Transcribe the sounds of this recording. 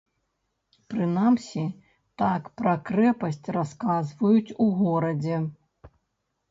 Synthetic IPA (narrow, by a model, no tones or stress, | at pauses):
pɾɨnamsʲi | t̪akpɾɐkɾɛpɐsʲt͡sʲraskazvɐjut͡sʲuɣɔɾɐd͡zʲɛ